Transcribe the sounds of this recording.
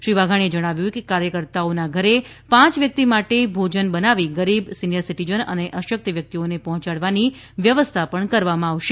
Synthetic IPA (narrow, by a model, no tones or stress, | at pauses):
ʃɾiʋaɡʱaɳ̃ed͡ʒəɽ̃aʋjuekekaɾjəkəɾt̪aonaɡʱəɾe | pãt͡ʃʋjək̚t̪imaʈebʱod͡ʒənbənaʋiɡəɾibsinijəɾsiʈid͡ʒənə̰neʔəʃək̚t̪əʋjək̚t̪ionepɔɦɔ̃t͡ʃaɽʋani | ʋjəʋəst̪ʰapəɳkəɾʋamãaʋʃe